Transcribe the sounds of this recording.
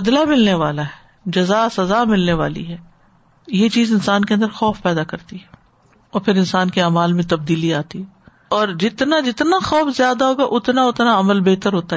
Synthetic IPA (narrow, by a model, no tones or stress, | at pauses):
bɐd̪lamɪlneʋaːlaɦɛː | d͡ʒɐzasɐzaːmɪlneʋa̰ːlḭɦɛː | jet͡ʃiːzɪnsaːnkeɐ̃nd̪əɾxɔːfpɛːd̪akɐɾt̪iɦɛː | ɔːɾpʰɪɾɪ̃nsaːnkeaːmaːlmẽt̪ɐb̚d̪iːliaːt̪iɦɛ | ɔːɾd͡ʒɪt̪nad͡ʒɪt̪naxɔːfzjaːd̪aɦoːɡaʔʊt̪naʊt̪naɐməlbeːt̪əɾɦoːt̪a